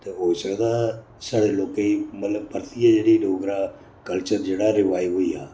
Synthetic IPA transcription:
t̪eːoːsəɡd̪aː | saːɽeːloːkẽiːmət̪ləb̚pəɾt̪iːaːd͡ʒeːɽiːloːɡɾaː | kəlt͡ʃəɾd͡ʒeːɽaːɾɪʋaːiːɦoːiːa̰ː

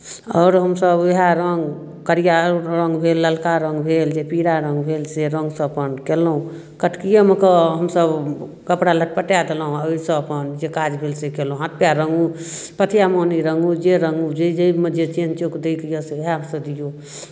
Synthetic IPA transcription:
ɔːɾɦəmsəbeɦaɾəŋɡ | kəɾijaɾəŋɡbʱelːəlkaɾəŋɡbʱeld͡ʒepiɾaɾə̃ŋɡbʱelseɾə̃ŋɡsə̃əpənkelɦũ | kəʈkijəmekəɦəmsəb | kəpɽaləʈ̚pəʈjad̪elɦũəisə̃əpənd͡ʒekad͡ʒbʱelsekelũɦãt̪̚pjaɾəŋɡupət̪ʰjamoniɾəŋɡud͡ʒeɾəŋɡud͡ʒed͡ʒəiməd͡ʒet͡ʃiənt͡ʃokd̪eikijəseɦasə̃d̪ijo

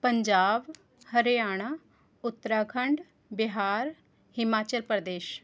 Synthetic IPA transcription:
pəɲd͡ʒaːb | həɾejaːɽ̃aː | ʊt̪ːəɾaːkʰəɳɖ | bɪɦaːɾ | hɪmaːt͡ʃəlpəɾd̪eːʃ

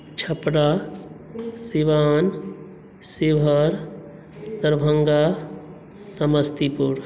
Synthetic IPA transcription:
t͡ʃʰɐpɽaː | siʋaːn | siʋʱəɾ | d̪ɐɾbʱɐŋɡa | sɐməst̪ipuɾ

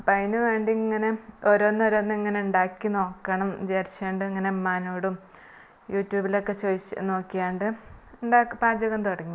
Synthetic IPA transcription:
pɐjnɨʋe̞ːɳɖiŋːɐne̞oɾoːnːoɾoːnːɨiŋːɐneuɳɖaːkːino̞ːkːɐɳɐmd͡ʑeːrt͡ɕːeːɳɖɨiŋːɐne̞maːnoːɽum | juːtːjuːbilokːe̞t͡ɕojit͡ɕːno̞ːkːijaːɳɖɨuɳɖakːpaːd͡ʑɐɣɐnt̪oɽɐŋːi

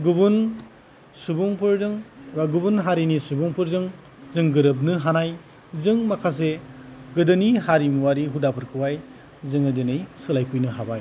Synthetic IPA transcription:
ɡubun | subuŋpʰɯɾzɯŋbaɡubunɦaɾinisubuŋpʰɯɾzɯŋ | zɯŋɡɯɾɯp̬̚nɯɦanaj | zɯŋmakʰas̬eɡɯdɯniɦaɾimuwaɾiɦudapʰɯɾkʰɯwaj | zɯŋɯdinɯjsɯlajkʰujnɯɦabaj

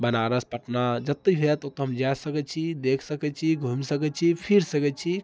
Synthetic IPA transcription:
bənaɾəspəʈnad͡ʒət̪ːəɦet̪ot̪ɔɦəmd͡ʒasəkɛt͡ʃʰid̪ekʰsəkɛt͡ʃʰiɡʱumisəkɛtt͡ʃʰipʰiɾsəkɛt͡ʃʰi

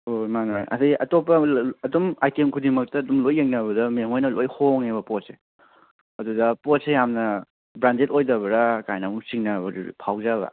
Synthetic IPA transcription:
omanojʔɐ̰diʔɐtopːɐɐdumajtemkʰudimɐk̚tɐdumlojːeŋnɐbɐdɐmeŋojnɐlojhoŋebɐpɔt̚se | ɐdudɐpɔt̚sejamnɐ | bɾandetojdɐbɐɾakajnamuŋsiŋnɐbɐɾpʰawzabɐ̰

